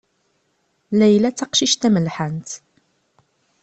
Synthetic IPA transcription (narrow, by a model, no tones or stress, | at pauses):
læjlæt͡sːɑqʃiʃt̪æməlħənt̪